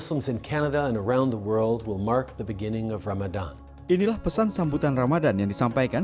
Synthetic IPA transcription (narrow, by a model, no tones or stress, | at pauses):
slə̃mzɨ̃nkʰænəɾəə̃nə˞ãʊ̃nðəwɜ˞lˠd̚wɪlˠmɑɹk̚ðəbɨɡɪ̃nɪ̃ŋʌvɹamɨdã̰n | inilahpəsansambut̪anramadanjaŋdisampajkan